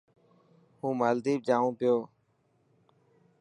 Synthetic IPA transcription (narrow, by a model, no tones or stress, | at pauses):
hũːmaːld̪iːb̚d͡ʒaːʋũːpɪjoː